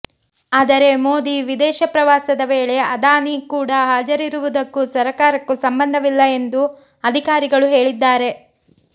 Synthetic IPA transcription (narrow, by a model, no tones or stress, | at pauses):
aːd̪ɐɾe̞mo̞ːd̪iʋid̪ɛːʃɐpɾɐʋaːsɐd̪ɐʋeːɭe̞ɐd̪aːnikuːɽɐɦaːd͡ʒɐɾiɾuʋud̪ɐkːusɐɾɐkaːɾɐkːusɐmbɐnd̪ʱɐʋilːɐe̞nd̪u | ɐd̪ʱikaːɾiɡɐɭuɦe̞ːɭid̪ːaːɾe̞